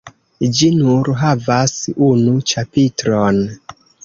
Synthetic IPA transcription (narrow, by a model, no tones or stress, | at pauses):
d͡ʒinuɾɦavasunut͡ʃapitɾon